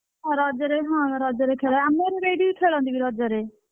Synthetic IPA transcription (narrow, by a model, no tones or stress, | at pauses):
aɾaːd͡ʒaɾeːɦãːɾɔːd͡ʒaːɾeːkʰeːlaɛəmeːɾeɾeːɖiiːkʰeːɭãːnd̪ibiːɾɔːd͡ʒaːɾeː